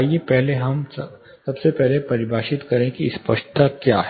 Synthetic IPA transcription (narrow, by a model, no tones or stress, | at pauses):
ijepɛɦleɦɐm | sɐbsepɛɦlepɐɾɪbʱaːʃɪt̪kɐɾẽkispɐ̰ʃʈt̪akjaːɦɛ